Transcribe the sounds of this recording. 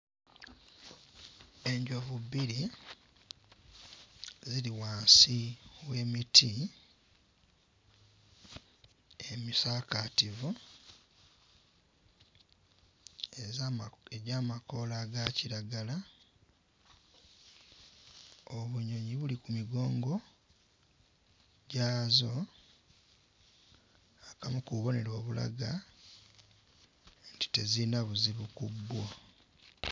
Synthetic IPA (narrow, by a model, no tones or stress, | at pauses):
e̞ɲɟovuβiɾi | ziliwaːnsiwe̞ːmitʰi | emisaːkativu | eɟaːmako̞laːɡaciɾaɡala | oβuɲo̞ɲiβulikumiɡo̞ːŋɡo̞ | ɟaːzo̞ | akamukuβo̞ne̞lwo̞ːβula̰ɡa | nti̥te̞zinaβuziβukubːwo